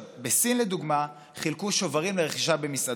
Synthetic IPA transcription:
besinle̞d̪uɡma | χilkuʃo̞vaʁimleʁeχiʃabe̞misa

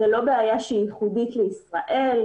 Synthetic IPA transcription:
elo̞beajaʃeijiχud̪it̪leisʁaʔel

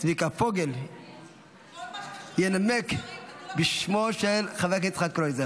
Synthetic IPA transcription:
tvikapoɡel | jenamekbiʃmoʃelχavekit͡sχakkɾojze

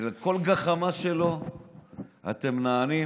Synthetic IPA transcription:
leko̞lɡaχamaʃelo̞ | a̰t̪emnaːni

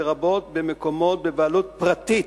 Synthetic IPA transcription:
ʁabo̞t̪bemeko̞mo̞t̪̚bevaalut̪̚pʁat̪i

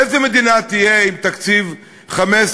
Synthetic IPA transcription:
ezemed̪inat̪ijeimt̪akt͡siv | χames

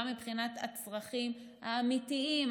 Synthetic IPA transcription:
mibχinat̪a̰t͡sʁaχimhaːmitiim

